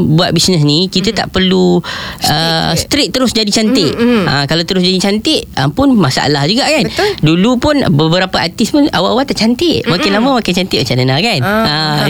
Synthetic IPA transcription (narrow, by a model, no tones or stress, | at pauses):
buat̪̚bisnəs̬nikit̪ət̪a̰ʔpərluəst̪ɾɪk̚t̪əɾʊsd͡ʒadit͡ʃant̪ɪʔa̰kalawt̪əɾʊs̬d͡ʒadit͡ʃant̪ɪʔapʊnmasa̰ʔa̰lahd͡ʒuɡaʔkandulupʊnbəbəɾapəʔat̪ispʊnawaʔawat̪aʔt͡ʃant̪ɪʔmakɪnlamə̃makɪnt͡ʃant̪ɪʔmat͡ʃanənakana